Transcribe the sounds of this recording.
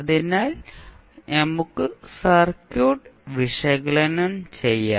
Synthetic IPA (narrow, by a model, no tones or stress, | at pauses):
ɐðinaːl | nɐmukːɨsɐrkːjoːɖʋiʂɐɣɐɭɐnɐmt͡ɕejːa̰ː